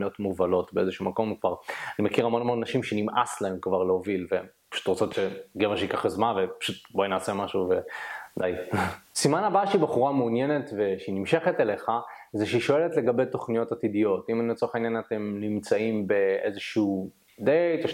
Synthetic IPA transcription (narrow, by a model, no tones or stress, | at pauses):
jotmuvalo̞tbeezeʃumako̞mkvaʁanimekiʁalmonmonanaʃimʃenimʔaslae̞mkvaʁleovilvepḁʃu̥t̪ʁot͡so̞t̪ʃeɡeveʃeikaχazmanvepḁʃut̪̚bojinaːsemaʃuvead̪ajsimanabaʃeibaχuʁameunje̞ne̞tve̞ʃeinimʃe̞χetele̞χa | zeʃeiʃo̞e̞letleɡabe̞jto̞χnijo̞tatidijo̞timanilet͡soeχainjanate̞mnimt͡saimbe̞ʔezeʃuː | d̪et̪aʃ